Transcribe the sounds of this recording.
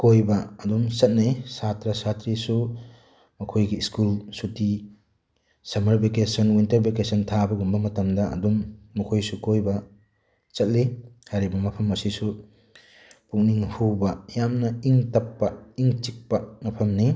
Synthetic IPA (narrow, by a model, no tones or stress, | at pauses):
kojbɐɐdumsɐt̚nisatɾɐsatɾisu | mɐkʰojɡiːskulsuti | sɐmɐɾbekesɐnwintɐɾbekesɐntʰabɐɡumbɐmɐtɐmdɐɐ̰dumːɐkʰojsukojbɐ | t͡ʃɐt̚lihaɾibɐŋɐpʰɐmːɐsisu | puk̚niŋhubɐjamnɐiŋtɐpːɐiŋt͡ʃik̚pɐŋɐpʰɐmni